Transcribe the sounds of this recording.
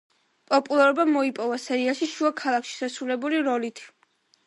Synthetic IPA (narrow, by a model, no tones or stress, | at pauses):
pʼɔpʼulˠaɾɔbamɔipʼɔvasɛɾiaʃiʃuakʰalˠakʰʃi̥ʃasɾulɛbuliɾɔlit̪ʰ